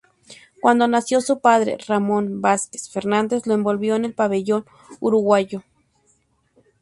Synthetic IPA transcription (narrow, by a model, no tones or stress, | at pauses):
kwand̪onasjosupaðɾḛramonbaske̥sfeɾnand̪esloembolβjoenelpaβeʝon | uɾuɣaʝo